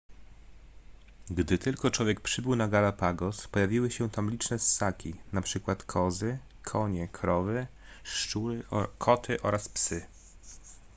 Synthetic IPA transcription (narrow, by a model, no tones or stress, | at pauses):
ɡd̪ɘt̪ɘlkɔt͡ʂwɔvʲjɛk̚pʂɘbɘwnaɡalapaɡɔspɔjavʲiwɘɕɛt̪amlʲit͡ʂnɛsːakʲinapʂɘkwat̪kʰɔzɘ | kʰɔɲɛkʰɾɔvɘ | ʂt͡ʂuɾɘkʰɔt̪ʰɘʔɔɾaspsɘ